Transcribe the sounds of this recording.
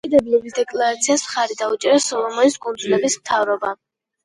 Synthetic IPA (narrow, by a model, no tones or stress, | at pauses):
id̪ɛblɛbisd̪ɛkʼlˠaɾat̪sʰiasmχaɾid̪aut͡ʃʼɛɾasɔlˠɔmɔnisɡʼɔnd̪zulɛbismt̪ʰavɾɔba